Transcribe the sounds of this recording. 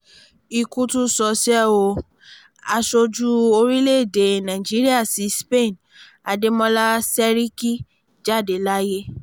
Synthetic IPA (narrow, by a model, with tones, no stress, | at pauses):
i˧ku˧˦tu˦sɔ˧˦si˦ɛ˦˨wo˧ | a˧ʃo˧d͡ʒu˦o˧ɾi˦le˦˨de˨nã˨i˨d͡ʒi˦ɾi˦a˦˨si˨˦spe˦˨n | a˧de˧˦mɔ̃˦la˦sɛ˦ɾi˦ki˦ | d͡ʒa˦˨de˨la˦je˦